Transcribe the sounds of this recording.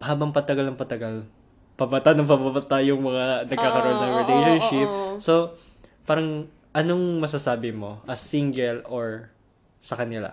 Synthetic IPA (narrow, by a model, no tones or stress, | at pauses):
haːbɐŋpɐt̪ɐɡɐlɐŋpɐt̪ɐɡal | pɐbɐt̪anɐŋpɐbɐbɐt̪ajʊŋmɐŋanɐɡ̚kaːkɐɾoʔonːɐŋɹɪlejʃonʃɪp̚so̞ | paːɾɐŋ | ʔɐnoŋmɐs̬ɐsaːbɪmo̞ʔɐsiŋɡɛloɹ | sɐkɐnɪla̰